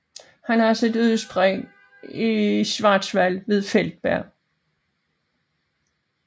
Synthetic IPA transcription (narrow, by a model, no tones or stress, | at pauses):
hænhɑsed̥yðˠsb̥ʁɛ | isʋɑ̈ːd̥sʋæl̰ʋe̝ð̞ˠfel̰d̥̚b̥æɐ̰